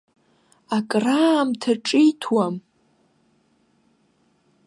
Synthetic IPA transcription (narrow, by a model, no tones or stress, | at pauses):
akʼraːmtʰaʈ͡ʂʼijtʰwam